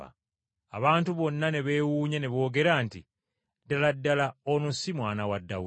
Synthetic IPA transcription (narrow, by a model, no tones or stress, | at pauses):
a̰ | a̰βaːntuβo̞nːane̞βe̞ːwuːɲene̞βo̞ːɡe̞ɾanti | daladːalaonosimwaːnawadːau